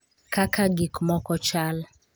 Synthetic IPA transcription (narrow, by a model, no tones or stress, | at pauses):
kakaɡikmɔkɔt͡ʃal